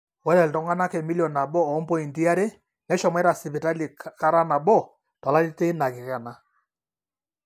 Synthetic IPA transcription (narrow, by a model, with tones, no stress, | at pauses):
wɛ˦ɾɛ˨ltɔ˦ŋɡa˦na˦kɛ˨mi˦ljɔ˨na˨bɔ˦ɔ˨˦mpɔ˦i˨ndi˦a˦ɾe˦ | nɛ˦ʃɔ˨mɛ˦ɾa˨sɪ˨pi˨ta˦li˨ka˦ɾa˦na˨bɔ˦˨ | tɔ˨la˦ɾi˦te˦na˨kɪ˨ka˨na˨